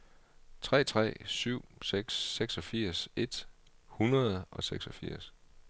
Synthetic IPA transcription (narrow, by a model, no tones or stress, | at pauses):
t͡sʰʁɛ̰ːt͡sʰʁɛ̰ːsyʊ̰seɡ̥sːeɡ̥sɒ̽fiɐ̰se̝d̥hunɐð̩ˠʔɒ̽seɡ̥sɒ̽fiɐ̰s